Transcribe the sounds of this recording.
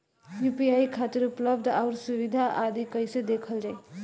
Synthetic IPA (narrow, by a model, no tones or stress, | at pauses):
jupiajkʰat̪iɾuplʌbd̪awɾsuβid̪ʱaʔad̪ikʌjsʌd̪ekʰʌld͡zʌj